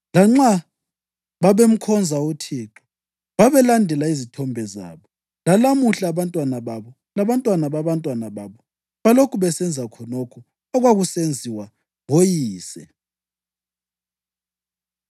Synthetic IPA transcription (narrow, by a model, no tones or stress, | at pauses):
laŋ͡ǁa | βaβem̩kʰɔnd͡zʱautʰiǁɔ̥ | βaβɛlandʱɛlaizitʰɔmbʱɛza̰ːβɔ | lalamuɬaβantʼwanaβaβɔ | laβantʼwanaβaβantʼwanaβaβɔ | βalokʰuβɛsɛnd͡zʱakʰɔnɔkʰɔ | ɔɣwaɣusend͡zʱiwa | βojiːsɛ